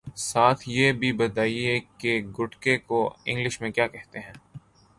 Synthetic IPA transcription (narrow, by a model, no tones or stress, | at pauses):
saːt̪ʰjebʱibɐt̪aːiekeɡʊʈkekoɪ̰̃ŋɡlɪʃmẽkjaːkɛɦt̪eɦɛ̃ː